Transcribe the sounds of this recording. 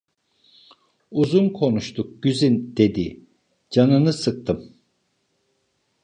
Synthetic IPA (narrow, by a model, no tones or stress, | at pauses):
uzunkʰo̞nuʃt̪ʰuk̚ɟ̥yzynd̪̥e̞d̪i | d͡ʒanɯnɯsɯk̚t̪ʰɯm